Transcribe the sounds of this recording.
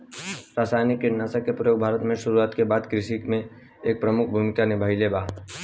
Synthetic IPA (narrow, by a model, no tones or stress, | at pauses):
ɾaːsaːjnɪkːenasəkːepɾəjoːɡ̚bʱaːɾət̪mẽʃʊɾuaːt̪kebaːd̪kɾɪʃɪkmẽ | eːk̚pɾɐmʊkʰbʱumɪkanebʱaɪlebaːɦt̪